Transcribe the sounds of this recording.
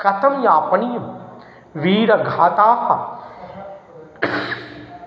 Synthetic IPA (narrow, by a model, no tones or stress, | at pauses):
kɐt̪ʰɐmjaːpɐnijɐm | ʋiːɾɐɡʱaːt̪aːhɐ